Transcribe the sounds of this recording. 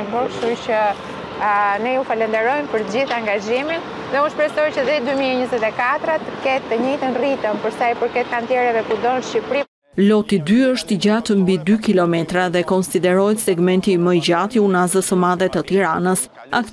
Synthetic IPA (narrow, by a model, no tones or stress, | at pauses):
bɔkʃuɾt͡ɕə | nɛufalɛnd̪ɛɾɔjmpəɾt̪əd͡ʑiθaŋɡaʒimin | ðɛuspɾɛst̪ɔjt͡ɕəðid̪ymiɛɲəzɛt̪ɛkat̪ɾat̪əkɛt̪ːəɲit̪ənrit̪əmpəɾsajpəɾkɛt̪̚kant̪jɛɾɛvɛkud̪ɔnʃcipɾi | lɔt̪id̪yəʃt̪iɟat̪əmbid̪ykilɔmɛt̪ɾaðɛkɔnsid̪ɛɾɔjt̪sɛɡmɛnt̪iməjɟat̪iunazəsəmaðɛt̪ət̪iɾanəs | a̰k